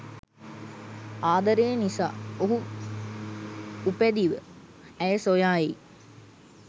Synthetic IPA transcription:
aːd̪əɾejnisa̰ːoɦu | upæd̪iʋə | æjəsojaːje

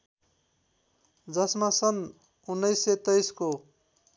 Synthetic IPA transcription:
d͡zʌsmasʌn | unːʌjset̪ʌjsko

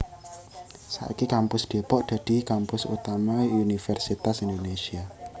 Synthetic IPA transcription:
sa̰ʔikikampʊsd̪̥e̤pɔʔd̪̥ä̤d̥i̤kampʊsṵt̪amaunifɛrsit̪asindonesia

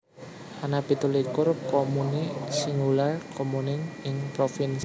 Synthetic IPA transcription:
hanapit̪ulikʊrkɔmunisiŋɡularkɔmunɪnɪŋpɾofins

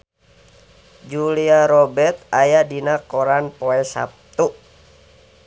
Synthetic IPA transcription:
d͡ʒuliaɾɔbɛrt̪̚ajadinakɔɾanpɔɛsa̰p̚t̪u

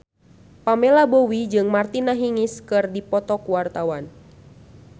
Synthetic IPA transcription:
pamɛlabowid͡ʒɨŋmart̪inaɦiŋiskɨrdipɔt̪ɔkuwart̪awan

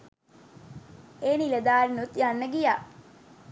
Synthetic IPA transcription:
eːniləd̪aːlnut̪janːəɡija

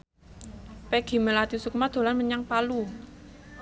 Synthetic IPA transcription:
pɛɡ̥i̤məlat̪isuk̚mad̪̥o̤lanməɲaŋpalu

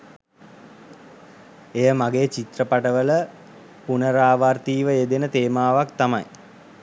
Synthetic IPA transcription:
ejəmaɡeːt͡ʃit̪rəpaʈəʋələ | punəɾaːʋart̪iːʋəed̪enət̪eːmaːʋakt̪ama̰j

